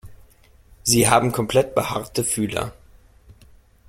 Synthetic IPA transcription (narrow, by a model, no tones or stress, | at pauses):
ziːɦaːbm̩kʰɔmpl̥ɛt̚b̥əhaʁtəfyːlɐ̰